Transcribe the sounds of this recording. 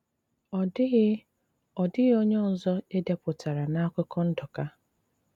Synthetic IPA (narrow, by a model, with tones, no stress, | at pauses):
ɔ˨d | ɔ˨dɪ˦ɣo˦ɲɔ˦˨n̩˨zɔ˦e˦de˦pʊ˨ta˨ɾa˨na˦a˦kʷʊ˦kɔ˦n̩˦dɔ˨ka˦